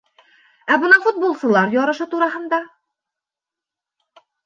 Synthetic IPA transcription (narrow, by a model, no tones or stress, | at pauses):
æbɤ̆nɑɴfut̪̚bolˠsɤ̆lˠɑɾjɒɾɤ̆ʃɤt̪uɾɑɦɤ̆nd̪ɑ